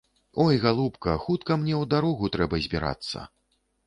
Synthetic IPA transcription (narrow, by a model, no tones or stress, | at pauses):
ɔjɣalˠupkɐxut̪kɐmnʲɛwd̪aɾɔɣut̪ɾɛbɐzʲbʲiɾa̰t̪sːɐ̰